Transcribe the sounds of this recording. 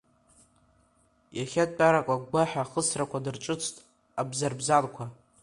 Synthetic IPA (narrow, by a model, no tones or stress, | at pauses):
jaχʲat̚ʼt͡pʼaɾakʷʼaɡʷaħᶣaχəsrakʷʰadɨrʈ͡ʂʼɨt͡sʰtʼ | abzarbzalkʷʰa